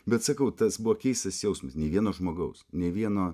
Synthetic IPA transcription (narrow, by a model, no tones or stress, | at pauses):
bʲɛt̪sɐkɐʊt̪ɐsbuʋokʲɛɪst̪ɐsjɛʊsmɐsnʲɛʋʲiɛnoːʒmoːɡɐʊsnʲɛʋʲiɛnoː